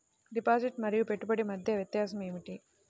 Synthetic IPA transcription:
ɖipaːd͡ʒiʈmɐɾijupe̞ʈːubɐɽimɐd̪ʱjɐʋjɐt̪jaːsɐmeːʋiʈi

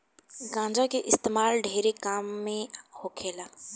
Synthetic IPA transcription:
ɡãːɲd͡ʒakeʔɪst̪eːmaːlɖʱeːɾekaːmːẽhokʰeːlaː

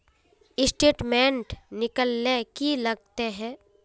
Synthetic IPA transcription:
ɪsʈeːʈmẽɳʈnɪkəlːekilɐɡ̚t̪eɦɛː

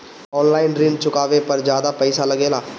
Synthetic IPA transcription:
ɔːnlaːɪnɾĩːɳɖt͡ʃʊkaːʋepəɾd͡ʒjaːd̪aːpɛɪsaːləɡeːlaː

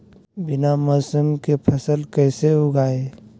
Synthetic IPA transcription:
bɪnamɔːsəmkepʰɐsəlkɛːseʊɡaːe

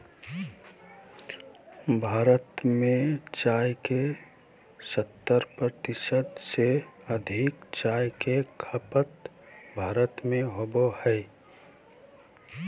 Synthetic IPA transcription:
bʱaːɾət̪mẽt͡ʃaːjke | sət̪ːəɾpɾət̪ɪsəd̪seəd̪ʱɪkt͡ʃaːjkekʰəpət̪ | bʱaːɾət̪mẽɦobohɛj

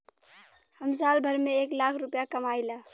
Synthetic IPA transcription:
həmsalbʱəɾmeeklakʰɾupjakəmajla

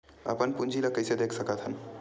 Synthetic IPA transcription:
ə̰pənpund͡ʒʱiləkəjsed̪ekʰsəkət̪ʰɦən

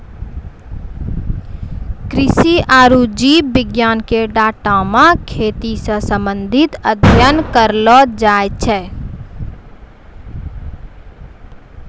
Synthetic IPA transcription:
kɾɪsiʔaːɾud͡ʒiːbɪɡjaːnkeɖaːʈamãkʰeːt̪isə̃sə̃mbənd̪ʱit̪əd̪ʱjənkəɾlɔd͡ʒaet͡ʃʰɛ

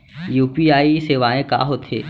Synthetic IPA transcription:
juːpiaːiseːʋaːẽka̰ːɦot̪ʰḛː

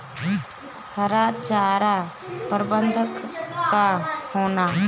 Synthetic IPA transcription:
həɾaːt̪t͡ʃaːɾa | pəɾbənd̪ʱəkkahoːnaː

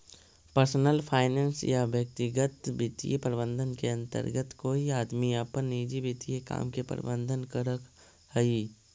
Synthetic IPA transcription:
pəɾsnəlpʰaːɪnẽːnsjaʋjək̚t̪ɪɡət̪bɪt̪ḭjepəɾɪbə̃nd̪ʱənkeə̃nt̪ə̰ɾɡət̪koːiaːd̪miəpənːiːd͡ʒibit̪ijeka̰ːmkepə̰ɾ̰bə̃nd̪ʱənkəɾək | həi

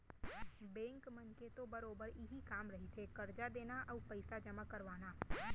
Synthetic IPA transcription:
bɛ̃ːŋkmɐnket̪obɐɾoːbəɾɪɦikaːmɾɐɦit̪ʰekɐɾd͡ʒad̪eːnaʔɔːpɐɪsad͡ʒɐmakɐɾʋaːnaː

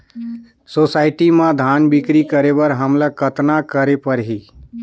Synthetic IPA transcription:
soːsaːɪʈimãd̪ʱaːnbɪkɾikəɾebəɾɦəmlakət̪nakəɾepəɾɦiː

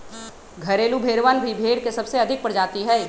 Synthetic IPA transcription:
ɡʱɐɾeːlubʱeːɽʋanbʱibʱeːɽkesɐbseɐd̪ʱɪk̚pɐɽd͡ʒaːt̪iɦɛː

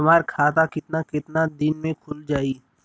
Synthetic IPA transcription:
ɐmaːɾkʰaːt̪akɪt̪nakɪt̪nad̪ɪnmẽkʰʊld͡ʒaːiː

